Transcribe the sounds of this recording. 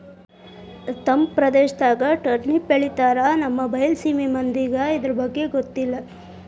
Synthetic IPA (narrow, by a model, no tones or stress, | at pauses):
t̪ɐmpɾɐd̪eːʃd̪aːɡɐʈɐɾʈnipːeɭit̪aːɾɐnɐmːɐbɐjlsiːmimɐnd̪iɡɐid̪ɐɾɐbɐɡːe̞ɡot̪ːilːɐ